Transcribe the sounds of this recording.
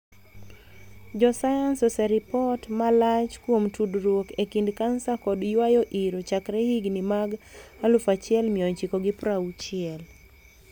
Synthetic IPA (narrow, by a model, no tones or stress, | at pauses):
d͡ʒɔsajansɔsɛɾipɔtmalat͡ʃkwomtʰudɾwokekindkansakɔdjwajɔʔiɾot͡ʃakɾɛhiɡnimaɡhalʊfat͡ʃɪɛlmɪɔɲt͡ʃikɔɡɪpɾaut͡ʃɪɛl